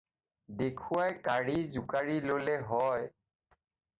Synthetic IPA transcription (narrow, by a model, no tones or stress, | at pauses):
dekʰuwajkaɹizukaɹilolɛɦɔj